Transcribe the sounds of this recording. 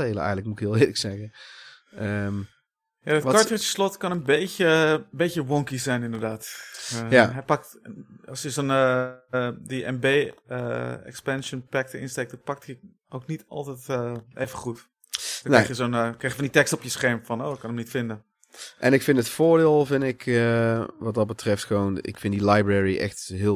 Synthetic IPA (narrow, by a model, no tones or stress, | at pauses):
eːləɛ̰jɣən̩ləkmutɪkɪlˠɪːləksɛɣə | əm | jadɔtkɔɹtətə̥slɔtkɔnənbeːəbeːçjəʋɔŋkisɛjnɪndərdaːt | aɦɛjpak̚tɔsjəsoːnə | diʔɛ̰mbeːəɛ̰kspɛnʃənpɛk̚təɪ̰nstek̚dɔnpak̚thi | oːknitɔ̰lˠtɛtʔeːvəχut | dnɛjxjəsoːnkrɛːxjəfɔnditɛkstɔpjəsxɛɹmfɔnoːɪkɔnəmnitfɪndə | ʔɛnɪkfɪ̃ntətfʊːɹdɪːlˠvɪndɪkəʋɑt̚dɑt̚bətrɛftxəʋoːnɪ̰kfɪndilajbrɛɹiʔɛ̰xtɦɪ